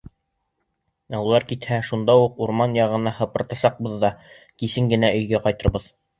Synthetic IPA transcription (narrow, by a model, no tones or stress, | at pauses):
æulˠɑɾkit̪hæʃund̪ɑuquɾmɑnjɑʁɤ̆nɑhɤ̆pɤ̆ɾt̪ɑsɑq̚bɤðːɑ | kisɘŋɡɘ̆næʔɵ̆jɡæqɑjt̪ɤ̆ɾbɤð